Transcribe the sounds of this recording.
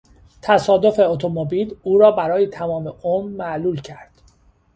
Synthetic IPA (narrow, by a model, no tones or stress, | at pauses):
t̪ʰæsɒːd̪o̞fe̞ot̪ʰomobiːluːɾɒːbæɾɒːjet̪ʰæmɒːmeʔomːæʔluːlcʰæɾd̪̥